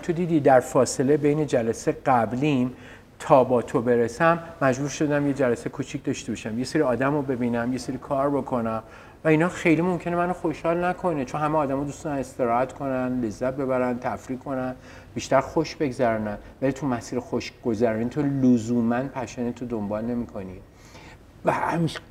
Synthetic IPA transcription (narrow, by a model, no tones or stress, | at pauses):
t̪ʰod̪iːd̪id̪æɾfɒːse̞le̞be̞jne̞d͡ʒælæseɡæblin | t̪ʰɒːbɒːt̪ʰo̞be̞ɾesæmːæd͡ʒbuːɾʃo̞d̪æmjed͡ʒælæsekʰut͡ʃʰic̚ʰd̪ɒʃt̪e̞bɒʃæmje̞seɾiɒːd̪æmobe̞binæmje̞seɾikʰɒːɾbo̞kʰo̞næm | væinhɒːxe̞jlimo̞mcʰe̞ne̞mænoxo̞ʃhɒːlnækʰo̞net͡ʃʰo̞nhæmeɒːd̪æmɒd̪ust̪ɒːd̪æne̞st̪e̞ɾɒːhæt̪kʰo̞nænle̞zːæt̪̚be̞βæɾænt̪ʰæfɾiːkʰːo̞næn | b̥iːʃt̪æɾxoʃbe̞ɡzæɾunænvælit̪ʰumæsiːɾexoʃɡ̥ozæɾɒnint̪ʰolozuːmænpʰæʃænet̪ʰod̪ombɒːlne̞mikʰo̞ni | væhæmiʃ